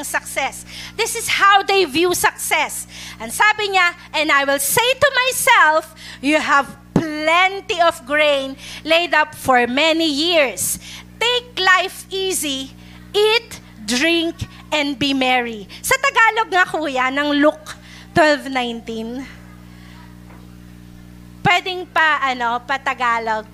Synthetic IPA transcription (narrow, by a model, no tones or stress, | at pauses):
ɐŋsɐksɛsd̪ɪsɪshawd̪ejvjusɐksɛsʔɐŋsaːbɪɲaʔɛ̃nd̪ajwɪlsejt̪ʊmajsɛlfjuɦɛv | plɛnt̪iɔvɡɹẽjnlejd̪ɐpfɔɹmɛnijiɹst̪ejk̚lajfizi | ʔit̪ | d̪ɹĩŋk | ʔɛ̃nd̪̚bimɛɹisɐt̪ɐɡaːloɡ̚ŋɐkuːjɐnɐŋluk̚ | t̪wɛlvnãjnt̪ĩn | pwɛd̪ɛŋpɐʔɐnopɐt̪ɐɡaːloɡ̚